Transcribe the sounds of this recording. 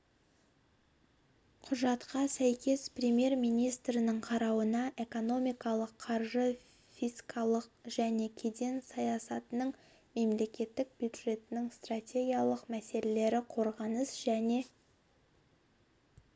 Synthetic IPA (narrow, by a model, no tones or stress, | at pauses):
qʰʊʒɑt̪qɑsæjkʲe̞sprʲe̞mje̞rmijnijst̪ɾɪnɪɴqʰɑɾɑwənɑʔe̞ko̞no̞mijkɑlˠəqʰːɑɾʒə | fiskʰɑlˠəq̚ʒæne̞kʲʰe̞d̪e̞nsɑjɑsɑt̪ənəɴ | me̞mle̞kʲe̞t̪ːɪk̚b̥ʲjud̪ʐe̞t̪ɪnɪŋst̪ratʲe̞ɡʲijalˠəqmæse̞lele̞ɾɪqʰo̞ɾʁɑnəsʒæne̞